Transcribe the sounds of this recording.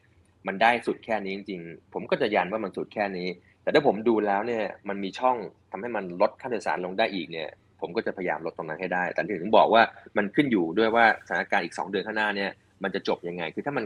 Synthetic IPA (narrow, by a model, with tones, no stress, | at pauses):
ma˧ndaː˥˩jsu˨˩t̪̚kʰɛː˥˩niː˦˥t͡ɕi˧ŋt͡ɕi˧ŋpʰo˩˦mkɔː˥˩t͡ɕa˨˩ja˧nwaː˥˩ma˧nsu˨˩t̪̚kʰɛː˥˩niː˦˥ | t̪ɛː˨˩t̪ʰaː˥˩pʰmduː˧lɛː˦˥wni˥˩ɐma˧nmiː˧t͡ɕʰɔ˥˩ŋt̪ʰa˧mha˥˩jma˧nlo˦˥t̪̚kʰa˥˩siː˧˩˧sa̰ː˩˦nlo˧ŋdaː˥˩jʔiː˨˩k̚ni˥˩ɐ | pʰo˩˦mkɔː˥˩t͡ɕa˨˩pʰa˧jjaː˧mlo˦˥t̪ːo˧ŋna˦˥nha˥˩jdaː˥˩jt̪ɛː˨˩ni˥˩˨t̪ʰu˩˦bɔː˨˩k̚waː˥˩ma˧nkʰɯ˥˩njuː˨˩du˥˩əjwaː˥˩a˩a˦nː˦a˥˩kaː˧nʔiː˨˩k̚sɔ̰ː˩˦ŋdɯ˧ənkʰaː˥˩naː˥˩ni˥˩ɐ | ma˧nt͡ɕa˨˩t͡ɕo˨˩p̚ja˧ŋa˧jkʰɯː˧t̪ʰaː˥˩ma˧n